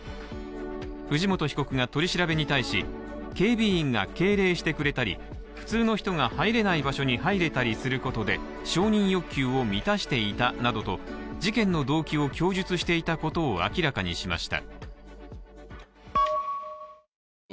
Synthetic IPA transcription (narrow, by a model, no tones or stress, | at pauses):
ɸɯ̟ʑimo̞t̪o̞çi̥ko̞kɯ̟ŋat̪o̞ɾʲiɕiɾabe̞ɲ̟it̪aiɕi | ke̞ːbʲiːĩŋɡake̞ːɾe̞ːɕi̥t̪e̞kɯ̟ɾe̞t̪aɾʲḭ | ɸɯ̟̥t͡sɨːno̞çi̥t̪o̞ŋahaiɾe̞naibaɕo̞ɲ̟ihaiɾe̞t̪aɾʲisɨɾɯ̟ko̞t̪o̞d̪e̞ | ɕo̞ːɲ̟ĩɰ̃jo̞kʲːɨːo̞mʲit̪aɕi̥t̪e̞it̪anad̪o̞t̪o̞d͡ʑikẽ̞nːo̞d̪o̞ːkʲio̞kʲo̞ːʑɨt͡sɨɕi̥t̪e̞it̪ako̞t̪o̞ːa̰kʲiɾakaɲ̟ḭɕima̰ɕi̥t̪a̰